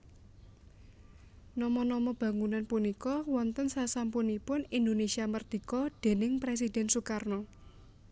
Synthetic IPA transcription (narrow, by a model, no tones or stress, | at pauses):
nɔmɔnɔmɔb̥a̤ŋunanpunikɔwɔnt̪ənsasampunipʊnind̪onesiamərd̪̥i̤kɔd̪̥e̤nɪŋpɾes̬id̪̥ɛ̤nsukarnɔ